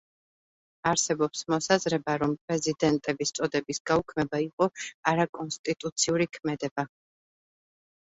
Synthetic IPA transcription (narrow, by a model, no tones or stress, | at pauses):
aɾsɛbɔpsmɔsazɾɛbaɾɔmpʼɾɛzid̪ɛnt̪ʼɛbist̪sʼɔd̪ɛbisɡaukʰmɛbaiqʼɔaɾakʼɔnst̪ʼit̪ʼut̪sʰiuɾikʰmɛd̪ɛba